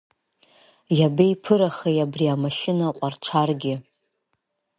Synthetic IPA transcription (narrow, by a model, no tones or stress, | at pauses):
jabejpʰɨɾaχejabriamaʃɪnaqʷʼart͡ʃʷʰarɡʲɪ